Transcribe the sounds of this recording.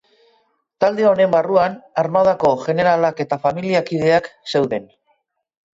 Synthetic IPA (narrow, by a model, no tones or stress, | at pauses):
t̪ald̪e̞o̞ne̞mbaruanaɾmaðako̞ʝe̞ne̞ɾalake̞t̪afamiliakið̞e̞akse̞wðe̞n